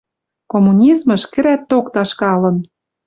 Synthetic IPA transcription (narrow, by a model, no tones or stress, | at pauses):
komunʲizmɤ̆ʃkɘ̆ɾæt̪ːokt̪ɑʃkɑlɤ̆n